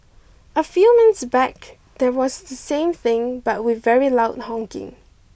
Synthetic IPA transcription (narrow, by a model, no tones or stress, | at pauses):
əfjumɪ̃nsbɛk | d̪ɛwɔsdəsẽmθɪ̃ŋbat̚wɪvɛɹilaʊt̚hɔ̃ŋkɪ̰̃ŋ